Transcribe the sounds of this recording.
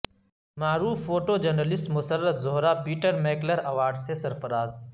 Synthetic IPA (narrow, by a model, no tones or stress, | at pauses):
maːɾuːfːoːʈoːd͡ʒɐɾnəlɪsʈmʊsəɾːət̪zʊɦɾapiːʈəɾmeːkləɾɐʋaːɾɖsesɐɾfɐɾaːz